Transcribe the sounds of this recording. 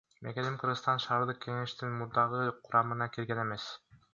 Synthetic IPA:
mekenimqʰɯɾʁɯt̪ɑnʃɑːɾd̪ɯq̚ke̞ŋe̞ʃt̪inmuɾd̪ɑʁɯqʰuɾʔɑmɯnɑkilɡene̞me̞s

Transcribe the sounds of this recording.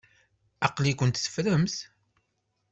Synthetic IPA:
ɑqlikʷʊnt̪θə̥fɾəmθ

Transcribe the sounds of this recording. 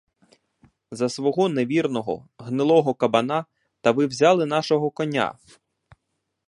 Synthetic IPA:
zɐsʋɔɦɔneʋʲirnɔɦɔ̰ɦnɪlˠɔɦɔkɐbɐna | t̪ɐʋɪwzʲɑlˠɪnɑʃɔɦɔkɔnʲa̰

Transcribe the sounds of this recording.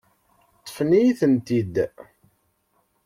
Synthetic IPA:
t̪ˤːə̥fnijiθənt̪id̪

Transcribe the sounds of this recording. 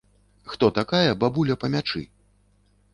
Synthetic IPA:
xt̪ɔt̪akajɐbabulʲɐpɐmʲat͡ʂɨ̰

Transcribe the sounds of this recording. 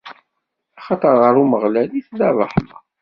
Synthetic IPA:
ɑχɑt̪ˤəɾˤʁəɾuməʁlæliθðɑðˤɑħmɑ̰

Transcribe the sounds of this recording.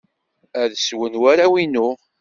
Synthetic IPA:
æðswənwaɾawinʊ

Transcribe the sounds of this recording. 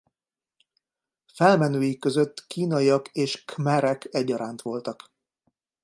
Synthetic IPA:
fɛlmɛnøːjikːø̞zøt̪ːkiːnɒiɒkeːʃkmɛɾɛkɛɟːɒɾaːnt̪ʋo̞lt̪ɒk

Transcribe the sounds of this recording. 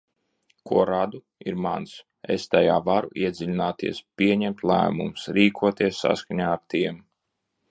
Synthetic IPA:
kuɔɾad̪u | ḭɾmans | ḛst̪aja̰ːvaɾṵʔiɛd̪zʲilʲinaːt̪ḭɛspʲiɛɲɛmt̪lˠæ̰ːmṵmsɾiːkʰuɔt̪iɛsːa̰skaɲaːaɾt̪iɛm

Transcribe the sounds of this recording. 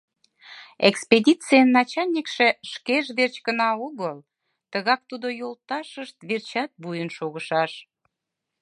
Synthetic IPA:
ekspedʲit͡sijənːɑt͡ɕɑlʲnʲikʃeʃkeʒβert͡ɕkənɑoɣəl | t̪əɣɑk̚t̪ud̪ojolt̪ɑʃəʃt̪βert͡ɕɑt̪̚bujənʃoɣəʃɑʃ

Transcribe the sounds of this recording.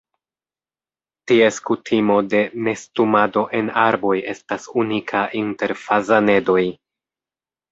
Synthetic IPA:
tie̞skutʰimo̞de̞ne̞stumado̞ʔe̞naɾbo̞je̞stasunikʰaʔinte̞ɾfazane̞do̞j

